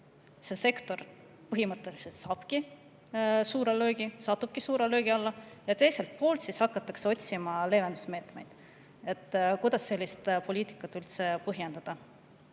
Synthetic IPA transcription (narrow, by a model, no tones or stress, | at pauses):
se̞se̞kt̪o̞r | pɤɦimɤt̪ːˑe̞liset̪sɑːb̥ki | suːɾelø̞ːɡ̥isɑt̪ːˑub̥kisuːɾelø̞ːɡ̥iɑlːɑjɑt̪e̞jse̞lt̪̚po̞ːlt̪sishɑkːˑɑt̪ːˑɑkseo̞t̪ʲsimɑle̞ːvend̪̥usme̞ːt̪me̞jd̪̥ | e̞t̪ːkujd̪̥ɑsːe̞lʲːist̪po̞lʲiːt̪i̥kːˑɑt̪ːˑylt̪se̞pɤɦjend̪̥ɑd̪̥ɑ